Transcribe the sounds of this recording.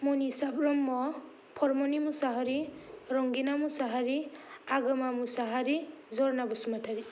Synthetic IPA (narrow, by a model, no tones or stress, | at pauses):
mɔnisabɾɔmːɔ | pʰɔɾmɔnimusaɦɔɾiɾɔŋɡinamusaɦaɾiaɡɔmamusaɦaɾizɔɾnabusumatʰaɾi